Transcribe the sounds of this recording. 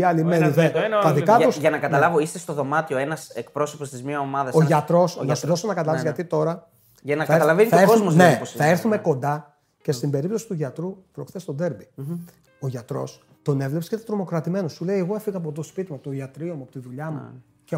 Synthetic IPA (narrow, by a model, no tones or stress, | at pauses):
ɐlimeniðet̪ɐðikɐt̪osʝɐnɐkɐt̪ɐlɐvo̞ist̪est̪oðo̞mɐt̪ioenɐsek̚pɾo̞so̞post̪izmɲɐomɐðɐsoʝɐt̪ɾo̞snɐsuðosonɐkɐt̪ɐɐzʝɐt̪it̪o̞ɾɐ | ʝɐnɐkɐɐlɐveniɐeɾozmoznepoθɐeɾθume̞ko̞nd̪ɐ | ce̞st̪imbe̞ɾip̚t̪o̞si̥t̪uʝɐt̪ɾupɾo̞kθest̪o̞d̪e̞ɾbi | o̞ʝɐt̪ɾo̞̰s | t̪o̞ne̞vlepscet̪ɐt̪ɾo̞mo̞kɾɐt̪ime̞nosulejeɣoe̞fiɣɐːp̬oot̪ospit̪imuɐpot̪oʝɐt̪ɾiomuɐpot̪iðuʎɐmṵ | ce